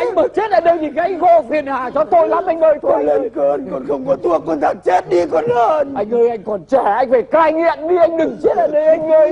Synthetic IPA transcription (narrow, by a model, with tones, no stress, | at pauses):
ʔa˧jŋ̟ɓəː˨˩t͡ɕe˦˥t̚laː˧˩ɗə˧wɲi˧˩kːa˧ŋ̟ɣo˧˩fi˨˩ənhaː˨˩t͡ɕɔ˧˩t̪o˧jlaː˨˦mʔa˧jŋɓəː˨˧˩jt̪ʰːlə˧nkə˧nkɔ̰˨˩nxə˧wŋ͡mkɔ˨˦t̪ʰu˧əkɔ˧nt̪ʰaː˨˩ŋt͡ɕe˦˥t̚ɗi˧kɔ˨˦nləː˧nʔa˧jŋ̟ʔəː˧jʔa˧jŋ̟kɔ˨˩nt͡ɕɛ˧˩ʔa˧jŋ̟faː˧˩jkaː˧jŋḭ˧˨ənɗi˧ʔa˧jŋ̟ɗɨ˨˩ŋt͡ɕe˦˥t̚laː˨˩ɗə˧jʔa˧jŋ̟ʔə˧j